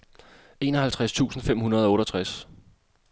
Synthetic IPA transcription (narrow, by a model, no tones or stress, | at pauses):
e̝ːnɒ̽ɦælt͡sʰʁast͡sʰṵːsn̩fem̰hunɐð̞̩ˠɒɔ̽ːɾɒt͡sʰʁas